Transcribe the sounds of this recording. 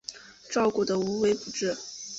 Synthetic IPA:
ʈ͡ʂɑ˥˧ʊku˥˩d̪ə˩u˧˥we˧˥ɪpu˨˩ʈ͡ʂɻ̩˥˩

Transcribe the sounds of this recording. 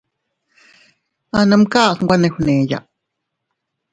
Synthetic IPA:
a˧nə̃˧mka˦˨sŋ˦ɡʷa˦nẽ˧hu˧nẽ˨ja̰˨ʔ

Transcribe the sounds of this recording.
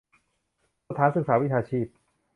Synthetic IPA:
t̪ʰaː˩˦nsɯ˨˩k̚saː˩˦wi˥t͡ɕ̪ʰaː˧t͡ɕʰiː˥˩p̚

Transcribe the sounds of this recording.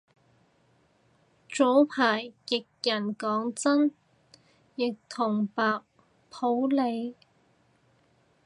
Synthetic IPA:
t͡so˨˥wpʰaː˨˩jkɪ˨k̚jɐ˨˩nkɔː˨˥ŋt͡sɐ˥n | jɪ˨k̚t̪ʰʊ˨˩ŋpaː˨k̚ | pʰo˨˥wle˨˧j

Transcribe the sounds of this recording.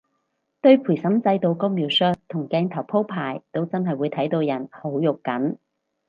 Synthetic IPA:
t̪ɵ˧ɥpʰu˨˩jsɐ˨˥mt͡sɐ˧jt̪o˨˧wko˥miː˨˩wsœː˥t̚t̪ʰːʊ˨˩ŋkɛː˧nt̪ʰɐ˨˩wpʰo˥wpʰaː˨˩jt̪o˥wt͡sɐ˥nɦɐ˨jwuː˨˧jt̪ʰɐ˨˥jt̪o˧wjɐ˨˩nho˨˥wjʊ˨kkːɐ˨˥n

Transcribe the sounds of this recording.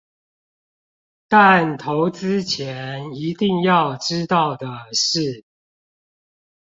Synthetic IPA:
t̪a˥˨nt̪ʰo˧˦ʊt͡sɹ̩˥t͡ɕʰjɛ˨˦ni˧˥t̪i˥˧ŋjɑ˥˨ʊʈ͡ʂɻ̩˥t̪ɑ˥˩ʊd̪ə˩ʂɻ̩˥˩

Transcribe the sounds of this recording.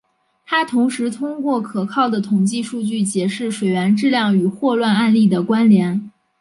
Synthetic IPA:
t̪ʰa˥t̪ʰʊ˧˥ŋʂɻ̩˧˥t̪ʰʊ˥ŋkwɔ˥˩kʰɤ˨˩kʰɑ˥˩ʊd̪ə˩t̪ʰʊ˨˩ŋt͡ɕi˥˧ʂu˥˧t͡ɕy˥˩t͡ɕjɛ˧˥ʂɻ̩˥˩ʂwe˨˩ɪɥɛ˧˥nʈ͡ʂɻ̩˥˧ljɑ˥˩ŋy˨˩xwɔ˥˧lwa˥˧na˥˧nli˥˩d̪ə˩kwa˥nljɛ˧˥n

